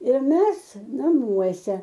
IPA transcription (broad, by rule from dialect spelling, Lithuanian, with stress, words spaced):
ɪr ˈmʲɛs nɐˈmuɔsʲɛ